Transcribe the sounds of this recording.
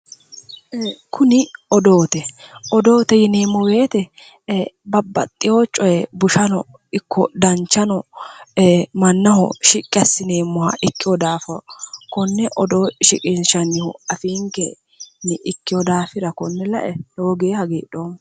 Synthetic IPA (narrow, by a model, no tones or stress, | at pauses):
kʰʊnɪɔd̪oːt̪ɛɔd̪o̞ːt̪ɛjɪneːmːɔweːt̪ɛ | bɐbːɐ̰t̪ʼːɪjoːt͡ʃʼɔjɛbʊʃɐnɔ̰ | ɪkːɔ̰d̪ɐnt͡ʃːɐnɔ | mɐnːɐɦɔ̰ʃɪkʼːɪɐsːɪneːmːʊhɐ̰ʔɪkːɪjɔd̪aːfɐkɔnːɛʔɔd̪oːɪʃɪkʼɪnʃɐnɪhʊɐfiːŋkɛ | nɪʔɪkːɪjɔd̪aːfɪɾɐkɔnːɛlɐ̰ʔɛloːɡeːhɐɡḛːᶑo̞ːmːɐ